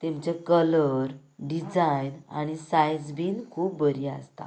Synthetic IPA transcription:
t̪emt͡ɕekələɾ | ɖid͡zajna̰ɽ̃isajd͡zbiːnkʰuːp̚bəɾia̰st̪a̰

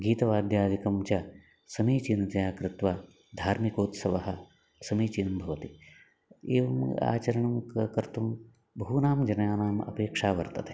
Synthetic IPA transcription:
ɡiːt̪ɐʋaːd̪jaːd̪ikɐmt͡ʃaː | sɐmiːt͡ʃinɐt̪ɐjaːkɾɪt̪ʋaː | d̪ʱaːɾmikoːt̪sɐʋɐɦɐ | sɐmiːt͡ʃinɐmbʱɐʋɐt̪i | ḛːʋɐma̰ːt͡ʃɐɾɐɳɐmkɐkɐɾt̪um | bɐɦunaːmd͡ʒɐnjaːnaːmɐ̰peːkʂaːʋɐɾt̪ɐt̪ɦe̥

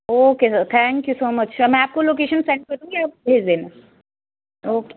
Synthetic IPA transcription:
okesəɾt̪ʰæ̃ŋkjusoːmət͡ɕəmɛ̃aːp̚kolokeɕənseɳʈ̚kəɾũːkiapbʱezd̪ena | oke̥

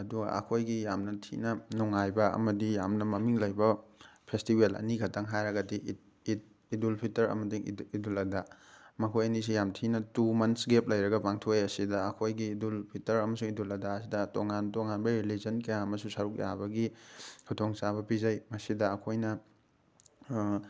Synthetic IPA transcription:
ɐduɡɐ̰ʔɐ̰kʰojɡijamnɐtʰḭnɐnuŋajbɐɐ̰mɐdijamnɐmɐmiŋlɐjbɐpʰestibelɐ̰niɡʰɐtʰɐŋɦajɾɐɡɐdi | idulpʰitɐɾɐ̰mɐdiidulɐdamɐkʰojɐnis̬ijamtʰinɐtumɐnsɡep̚lɐjɾɐɡɐpaŋtʰoejɐsidɐɐkʰojɡiːdulpʰitɐɾɐmɐsuŋidulɐdasidɐtoŋantoŋanbɐɾilizɐnkɐjaɐmɐsusɐɾuk̚ja̰bɐɡihʰutʰoŋsaβɐpizɐjmɐsidɐːkʰojnɐ

